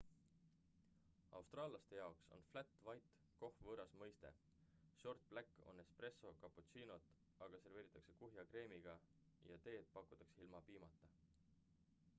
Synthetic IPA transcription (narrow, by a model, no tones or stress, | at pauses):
ɑ̰wst̪rɑːlɑst̪e̞jɑokso̞̰nflæt̪ːˑvɑjt̪ | ko̞hvɤːɾɑsmɤjst̪e̞̰ | ʃo̞rt̪̚b̥lækːo̞̰ne̞spre̞so̞kɑput̪siːno̞t̪ˑ | ɑɡ̥ɑse̞rɾve̞ːɾit̪ːˑɑksekuɦjɑkre̞ːmiɡ̥ɑ | jɑt̪e̞ːd̪̥̚pɑkːˑu̥t̪ːˑɑkseilmɑpiːmɑt̪ːˑɑ